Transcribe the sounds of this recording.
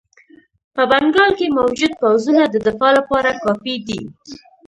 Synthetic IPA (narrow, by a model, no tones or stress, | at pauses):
pəbaŋɡɑlkemawd͡ʒʊd̪̚pawzunad̪əd̪ɪfɑlapɑɾakɑfid̪i